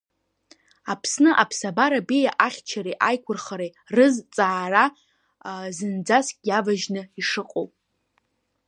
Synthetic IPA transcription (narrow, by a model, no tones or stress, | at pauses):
apʰsnɨʔapʰsabaɾabejaʔaχʲt͡ʃʰaɾeʔajkʷʰʊrχaɾe | rɨzt͡sʼaːra | zɨnd͡zaskʲʼjavaʒnɨiʂɨqʼo̰wpʼ